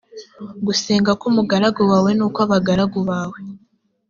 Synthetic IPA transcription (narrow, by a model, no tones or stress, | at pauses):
ɡuseːŋɡakumuɡaɾaɡuwawe̞nuːkwaβaɡaɾaɡuβaːwe